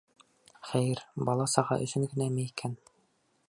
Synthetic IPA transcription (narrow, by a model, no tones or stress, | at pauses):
χæjɘɾbɑlˠɑsɑʁɑ̰ʔɵ̆sɵŋɡɘ̆næmæikʰæn